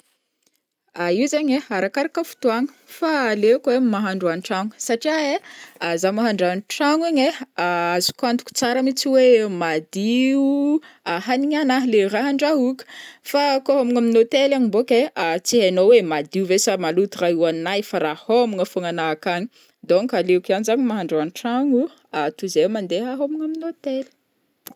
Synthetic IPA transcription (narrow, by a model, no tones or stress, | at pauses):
aiwzaɲeaɾakaɾakəfu̥t̪uaŋə̥ | falekwemmaɦaɳɖ͡ʐuanʈ͡ʂaŋə̥saʈ͡ʂiaeazamaɦaɳɖ͡ʐanʈ͡ʂaŋaɲeaazi̥kand̪ukʲu̥t͡saɾəmit͡siwemad̪iu | aɦaniɲanaɦleraɦaɳɖ͡ʐaɦukə̥fakoɦomiŋaminot̪elaɲibokeat͡siɦanowemad̪iuvesamalut̪uraɦiwanajfaɾahomiŋəfoŋanakaɲi | d̪oŋkaleukianizaɲimaɦaɳɖ͡ʐanʈ͡ʂaŋu | at̪uzemand̪eɦaɦomiŋaminot̪eli̥